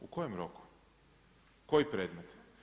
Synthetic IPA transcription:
uko̞jemɾo̞ku̥ | ko̞ipɾeːd̪met̪

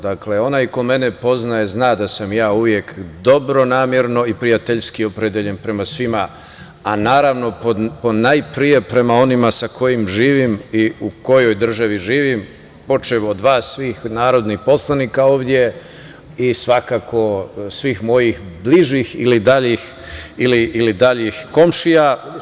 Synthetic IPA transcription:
d̪akle̞o̞najko̞me̞nepo̞znajeznaːd̪asamjaːuʋje̞kd̪o̞bɾo̞naːmjeɾno̞ipɾijat̪eʎskio̞pɾed̪jeʎe̞npɾe̞masʋima | anaːɾaʋno̞pod̪ponajpɾije̞pɾe̞mao̞nimasakʰo̞jimʒiːʋimiuko̞jo̞jd̪r̩ʒaʋiʒiːʋim | po̞t͡ʃeʋod̪ʋaːsːʋiːxnaːɾo̞d̪nixpo̞slˠanikao̞ːʋd̪je̞ | isʋakakʰo̞sʋiːxmo̞jixbliʒixḭlid̪aʎix | iliʔːlid̪aʎixko̞mʃija

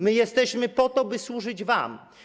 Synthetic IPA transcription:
mɘjɛst̪ɛɕmɘpɔt̪ɔbɘswuʐɘd͡ʑva̰m

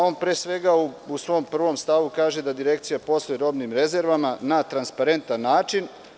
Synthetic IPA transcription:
o̞ːnpɾeːsʋe̞ɡauusʋo̞mpr̩ʋo̞mst̪aʋukaːʒe̞d̪ad̪iɾe̞k̚t̪sijapo̞sleɾo̞ːbnimɾe̞ze̞ɾʋamanat̪ɾanspaɾe̞nt̪anːaːt͡ʃin

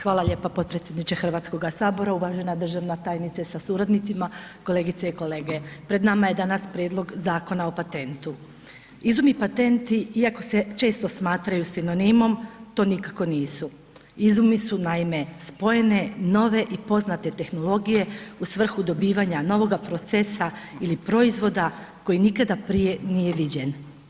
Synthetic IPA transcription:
xʋaːlaʎe̞ːpapo̞t̪̚pɾet̪sʲjed̪nit͡ʃexr̩ʋat̪sko̞ɡasaːbo̞ɾauʋaʒe̞nad̪r̩ʒaʋnat̪aːjnit̪sasasuːɾad̪nit̪simako̞lˠe̞ːɡit̪seiko̞le̞ːɡe̞pɾe̞d̪namaje̞d̪anaspɾjed̪lˠo̞ɡzaːko̞nao̞pat̪e̞nt̪u | izumipat̪e̞nt̪iiako̞se̞t͡ʃe̞ːst̪o̞smaːt̪ɾajusino̞nimo̞mt̪o̞ːnikako̞niːsu | izumisunaime̞spo̞je̞ne̞no̞ʋe̞ʔipo̞znat̪e̞t̪e̞xno̞lˠo̞ɡije̞usʋr̩xud̪o̞biːʋaɲano̞ʋo̞ɡapɾo̞t̪sesailipɾo̞izʋo̞d̪ako̞jinikad̪apɾije̞nije̞ʋid͡ʑe̞n

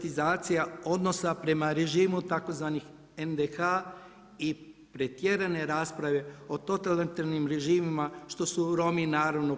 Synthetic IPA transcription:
t̪izaːt̪sijao̞d̪no̞sapɾe̞maɾe̞ʒiːmut̪ako̞zʋaːnix | end̪exaː | ipɾet̪je̞ɾane̞ɾaːspɾaʋe̞o̞t̪o̞t̪alit̪aɾnimɾe̞ʒiːmimaʃt̪o̞suɾo̞minaːɾaʋno

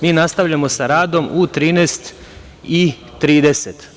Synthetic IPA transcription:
miːnast̪aʋʎamo̞saɾaːd̪o̞mut̪ɾiːneːst̪ | i | t̪ɾiːd̪eset̪

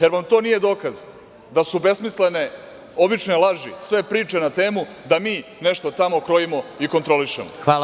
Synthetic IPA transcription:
je̞ɾʋamt̪o̞ːnije̞d̪o̞ːkaz | d̪asube̞smisle̞ne̞ | o̞bit͡ʃnoelˠaʒisʋe̞pɾiːt͡ʃe̞nat̪eːmu | d̪amiːne̞ʂt̪o̞t̪amo̞kɾo̞jimo̞iko̞nt̪ɾo̞liʃḛmo̰xa

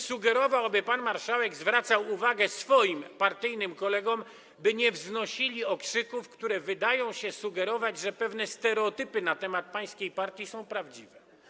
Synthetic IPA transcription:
suɡɛɾɔvawabɘpanmaɾʂawɛɡzvɾat̪sawuvaɡɛsfɔjimpaɾt̪ɘjnɘmkɔlɛɡɔm | bɘɲɛvznɔɕilʲiɔkʂɘkufkt̪uɾɛvɘd̪ajɔ̃w̃ɕɛsuɡɛɾɔvad͡ʑʐɛpɛvnɛst̪ɛɾɛɔt̪ɘpɘnat̪ɛmat̪̚paj̃skʲejpaɾt̪ʲjisɔ̃w̃pɾavd͡ʑivɛ

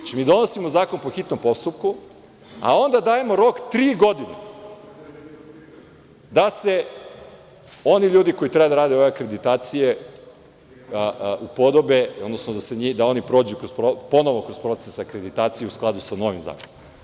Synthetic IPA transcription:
at͡ʃimiːd̪o̞no̞simo̞zaːko̞npo̞xit̪no̞mpo̞st̪up̚ku | a̰o̞nd̪ad̪aːje̞mo̞ɾo̞kt̪ɾiːɡo̞d̪ine | d̪ase̞ | o̞niʎuːd̪iko̞jit̪ɾebad̪aɾaːd̪eoʋe̞akɾe̞d̪it̪aːt̪sije | ʔupo̞d̪o̞be̞od̪nosnod̪aseɲid̪ao̞nipɾo̞ːd͡ʑukɾospɾopo̞noʋokɾo̞z̥pɾo̞t̪sesakɾe̞d̪it̪aːt̪sijeusklˠad̪usano̞ʋimza̰ːkonom

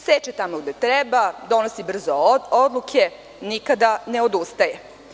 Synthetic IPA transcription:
set͡ʃet̪amoɡd̪et̪ɾɛbad̪o̞nosibr̩zood̪lukʰe | nikad̪ane̞od̪ust̪aje

